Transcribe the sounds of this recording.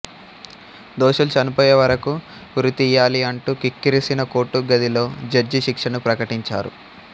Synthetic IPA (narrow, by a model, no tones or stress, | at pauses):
d̪oːʂulut͡ʃɐnupɔːjeʋɐɾɐku | uɾut̪iːjaːliɐɳʈuːkikːiɾisinɐkoːʈːuɡɐd̪ilo̞ːd͡ʒɐɾd͡ʒiʃikʂɐnupɾɐkɐʈiɲt͡ʃa̰ːɾṵ